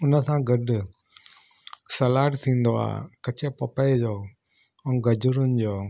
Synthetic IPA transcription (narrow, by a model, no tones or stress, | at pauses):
ʊnəsãɡɐɖʊ | sɐlaːʈt̪ʰĩːn̆d̪oa̰ːɦḛkɐt͡ɕepɐpəed͡ʑoː | ʊɡɐd͡ʑʊɾʊnɪ̆d͡ʑoː